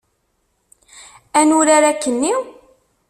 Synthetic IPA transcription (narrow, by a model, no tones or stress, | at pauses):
ænuɾaɾakːənːiw